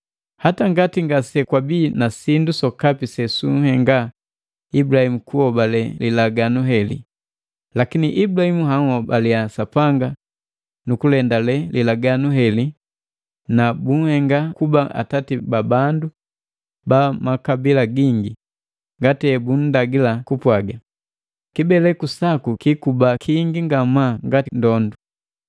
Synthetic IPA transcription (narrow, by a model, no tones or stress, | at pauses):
hataŋɡatiŋɡasɛkwabiːnasindusɔkapisɛsuŋhɛŋɡa | ibulahimukuhɔbalɛlilaɡanuɦɛlḭ | lakiniʔiblahimuɦaŋhɔbaliasapaŋɡa | nukulɛndalɛlilaɡanuɦɛli | nabuŋhɛŋɡakubaʔa̰tatibabandu | bamakabilaɡiŋɡi | ŋɡatɛbun̩daɡilakupwaɡa | kibɛlɛkusakukikubakʰiŋɡiŋɡamaŋɡatindɔndu